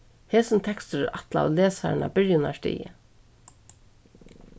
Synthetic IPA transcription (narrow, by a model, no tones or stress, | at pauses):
heːsɪnt̪ʰɛkst̪əɾɛɾat̪laa̰leːsaɾna̰bɪɹjʊnaʂt̪ḭːə̰